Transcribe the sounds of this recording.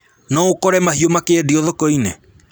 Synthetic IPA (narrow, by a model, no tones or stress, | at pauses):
naokɔɾɛmaɦiomakeɛdiɔðɔkɔine